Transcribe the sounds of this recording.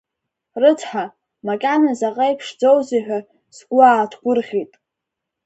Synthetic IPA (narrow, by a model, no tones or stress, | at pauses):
rɨt͡sʰħa | makʲʼanazaqʼajpʰʂd͡zo̞wziħʷᶣa | zɡʷʊaːtʰɡʷʊrʁʲitʼ